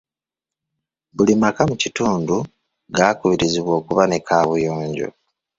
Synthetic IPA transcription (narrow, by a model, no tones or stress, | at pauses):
bulimakamucituːndu | ɡakuβiɾiziβwo̞ːkuβane̞kaːβujoːɲɟo̞̰